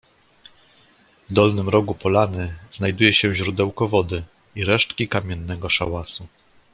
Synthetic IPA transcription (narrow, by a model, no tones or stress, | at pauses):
vd̪ɔlnɘmɾɔɡupɔlanɘz̥najd̪ujɛɕɛ̃ʑɾud̪ɛwkɔvɔd̪ɘ | iɾɛʂtkʲikamʲjɛnːɛɡɔʂa̰wasu